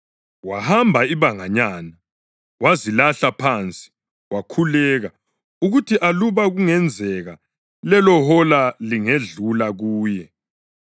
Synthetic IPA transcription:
wahambʱaiβaŋaɲaːna | wazilaɬapʰant͡sʼi̥ | wakʰulɛɣa | uɣutʰiʔaluβaɣuŋɛnd͡zʱɛɣa | lɛlɔhɔlaliŋeɮulaɣuːjɛ

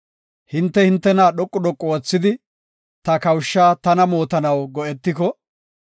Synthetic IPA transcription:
hɪnt̪ːɛhɪnt̪ːɛnaːɗɔkʼːʊɗɔkʼːɔwoːt͡sːɪd̪ɪ | t̪ɐkɐwʃːaːt̪ɐnɐmoːt̪ɐnɐwɡɔʔɛt̪ːɪkɔ

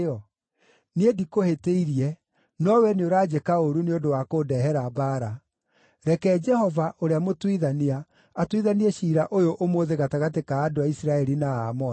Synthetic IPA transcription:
ɔ | needikoheteiɾiɛ | nɔwɛneoɾaːd͡ʒekaoɾuneodowakoːdɛɦɛɾabaɾa | ɾɛkɛd͡ʒɛhɔvaʔoɾeamotwiðania | atwiðaniɛɕiːɾaʔojoʔomoːðeɣataɣat̬ekaːdoaisɾaɛɾinaamɔ

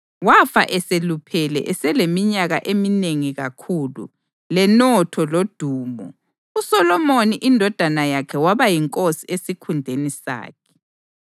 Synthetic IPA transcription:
wafa̰ʔɛselupʰɛlɛ̰ʔɛsɛlemiɲaɣaʔemineŋiɣakʰulṵ | lɛnɔtʰɔlod̥ʱuːmɔ̰ | usɔlɔmoniʔindʱɔd̥ʱanajakʰɛwaβajiŋkʼosiesikʰundʱenisa̰ːkʰɛ̥

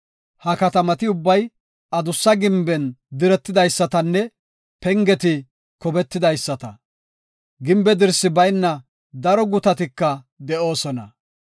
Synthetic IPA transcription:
hɐkɐt̪ɐmɐt̪ɪʊbːɐj | ʔɐd̪ʊsːɐɡɪmbɛnd̪ɪɾɛt̪ːɪd̪ɐjsːɐt̪ɐnːɛ | pɛŋɡɛt̪ɪ | kɔbɛt̪ːɪd̪ɐjsːɐt̪ɐ | ɡɪmbɛd̪ɪɾsɪbɐjnːɐ | d̪ɐɾɔɡʊt̪ɐt̪ɪkːɐ | d̪ɛʔo̞ːsɔnɐ̰

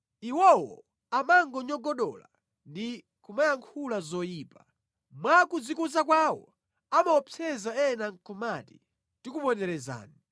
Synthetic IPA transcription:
iwɔwɔ̰ | amaŋɡɔɲɔɡɔɗɔ̰la̰ | ndi | kʰumajaŋkʰulazɔjiːpa | mwakud͡zikuzak̬waːwɔ̰ | amaɔpʰɛzaɛnaŋ̩kumati | ndikupɔnɛɾɛza̰ːni

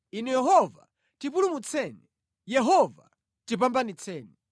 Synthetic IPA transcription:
inɛjɛɦɔva̰ | tip̬ulumut͡sʰɛːni | jɛɦɔva̰ | tip̬ambanit͡sʰɛːni

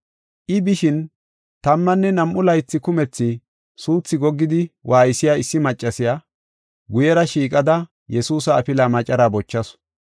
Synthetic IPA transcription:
ʔɪbɪʃɪn | t̪ɐmːɐnːɛnɐmʔʊlɐjt͡sːɪkʊmɛt͡sːɪ | suːt͡sːɪɡɔɡːɪd̪ɪwʔaːjɪsɪjaːɪsːɪmɐt͡ʃʼːɐsɪja | ɡʊjɛɾɐʃiːkʼɐd̪ɐ | jɛsuːsɐːpɪlaːmɐt͡ʃʼɐɾaːbɔt͡ʃːɐs

